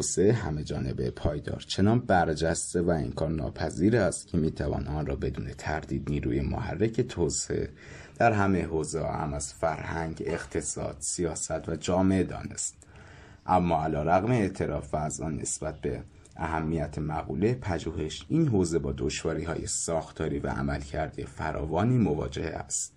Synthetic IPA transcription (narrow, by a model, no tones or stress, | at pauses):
oseeɦæme̞d͡ʒɒːne̞be̞̰pʰɒːjd̪ɒ̰ːɾt͡ʃʰe̞nɒːnbæɾd͡ʒæst̪e̞væḛnkʰɒːɾnɒ̰ːpʰæziːɾæst̪cʰe̞miːt̪ʰævɒ̰ːnɒnrɒːbe̞d̪uːne̞t̪ʰæɾd̪iːd̪niːɾṵːjemo̰ɦæ̰rːecʰe̞t̪ʰoːseḛʔḛ | d̪̥æɾɦæmeɦoːzḛæ̰mæz̥fæɾhæŋɟe̞xt̪ʰe̞sɒ̰ːd̪̥sijɒːsæt̪væd͡ʒɒːmeed̪ɒ̰ːne̞̰st̪̚ | ʔæmːɒːælɒːɾæɣmeet̪ʰe̞ɾɒːfvæːzɒːnːe̞̰sbæt̪̚be̞̰ | ʔæɦæmːijæt̪ʰemæɣuːlepʰæd͡ʒuːhe̞ʃʔiːnɦoːze̞bɒːd̪oʃvɒːɾiːɦɒːjesɒːxt̪ʰɒːɾiːvæ̰ʔæ̰mælcʰæɾd̪ijefæɾʔɒ̰ːvɒːniːmo̞vɒ̰ːd͡ʒe̞heæ̰st̪